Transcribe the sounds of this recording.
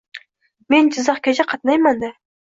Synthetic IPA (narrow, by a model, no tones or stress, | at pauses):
mend͡ʒɪzɑχkʲad͡ʒaqʰɑt̪nɑjmand̪a